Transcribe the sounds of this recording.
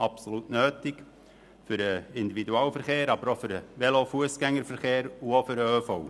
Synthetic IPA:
ɑpsolutnøːtɪk | fʏɾəɪnd̪ividuɑːlfəɾχeːɾɑbəɾofʏɾəʋɛlofuəsɡ̥ɛŋːəɾfəɾχeːɾuofʏɾəøfoʊ

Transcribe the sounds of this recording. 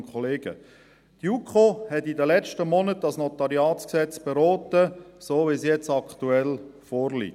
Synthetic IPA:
nkʰɔleːɡ̥ə̰ | t̪jukχohɛtidəlɛt͡ʃtəmɔnətdɑsnɔt̪ɑɾiɑːt͡sksɛt͡sb̥eɾɔːt̪əsoːvisjɛt͡sɑkʰt̪uɛlfɔːɾlḭ

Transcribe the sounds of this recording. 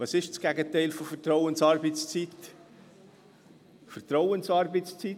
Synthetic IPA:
vɑsɪʃt͡sɡ̥ɛɡət̪ɛɪlfofərt̪ɾɔʊənsɑɾbət͡st͡sit̪ | fərt̪ɾɔwənsɑːɾbət͡st͡si

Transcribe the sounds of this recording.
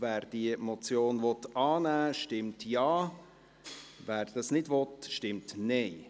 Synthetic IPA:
væːɾd̥iəmɔt͡sjoːnʋɔtɑːnæːʃtɪmtjɑː | væːɾd̥ɑsnɪdvɔtʃtɪmtnɛɪ

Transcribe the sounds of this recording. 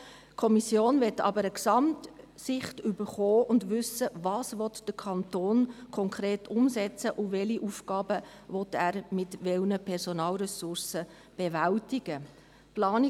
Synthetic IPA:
kʰɔmisjoːnvɛtːɑ̰bəɾəksɑmt | sɪχtʏbəɾχoːʊndʋʏsəvɑːsʋɔt̪d̥əɾkʰɑntoːnkʰɔŋkʰɾeːtʊmsɛt͡səʔʊvɛliʔuːfkɑːbə | vɔt̪æːɾmɪtʋɛlnəpʰɛɾsɔnɑːlɾɛsʊɾsə | b̥evæltɪɡ̥ə | plɑːni

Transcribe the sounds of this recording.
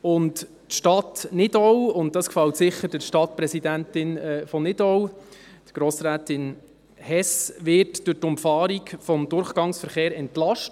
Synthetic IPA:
ʊntː | ʃtɑtnɪdɔwʊntdɑskfɑltsɪχːəɾd̥ɪʃtɑtpɾɛsidæntɪnɛfɔnɪdɔw | d̥ɡ̥ɾoːsɾæːtɪn | hɛsʋɪɾtd̥ʊtʊmfɑːɾikfɔmd̪ʊɾχɡ̥ɑŋsfəɾχeːɾɛntlɑʃt

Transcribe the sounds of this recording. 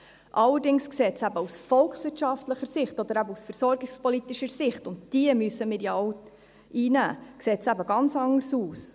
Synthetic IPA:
ʔɑlːəɾdɪŋskseːtsæbəusfɔlksʋɪtʃɑftləχəɾsɪχtɔd̪əɾæbəusfəɾsɔɾɡɪkspɔlitiʃəɾsɪχtʊntd̥iəmyəsːəmɪːɾjaɔʊ | ʔiːnæ̰ːkseːtsæbəɡɑnt͡sɑŋːəɾsuːs

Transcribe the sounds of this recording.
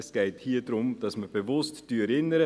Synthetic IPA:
sɡ̥ɛɪthiːədɾʊmd̥ɑsməb̥evʊstd̥yɾɪnːəɾə

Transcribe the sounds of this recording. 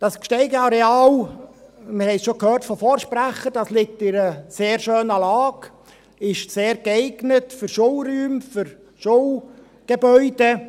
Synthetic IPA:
d̥ɑskʃtɛɪɡəɑɾeɑːl | mɪɾhɛɪsʃokʰhøːrtfɔfoːɾʃpɾæχəd̥ɑslɪk̚tɪɾəseːrʃøːnɑlɑːɡ | ɪʃseːɾɡɛɪɡnətfyɾʃolryːmfʏɾ | ʃol | ɡ̥ebœʏd̥e

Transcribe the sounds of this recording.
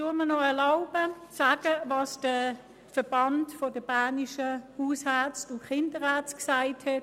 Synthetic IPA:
tumənɔɛɐlaʊb̥əsaːɡ̥əvɑːsd̥ə | fəb̥ɑntfɔd̥əb̥aːniʃəhuːshæt͡sdʊχɪndəʁæɐt͡sksaɪthɛt

